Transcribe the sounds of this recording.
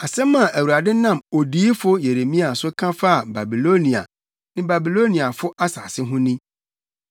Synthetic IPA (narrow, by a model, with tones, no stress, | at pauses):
a˨sɛ̃˦mã˨æ˨wu˨ɾa˨dɪ˦nã˦˨mo˨diː˦fʊ˦je˨ɾe˨mĩ˦a˨sʊ˦kʰã˦fa˦a˨ba˨bi˨lo˦nĩ˨a̰˨ | nɪ̃˦ba˨bi˨lo˦nĩ˨a˨fʊ˦ʔa˦sa̰ː˨sɪ˦ɦʊ̃˦nĩ˦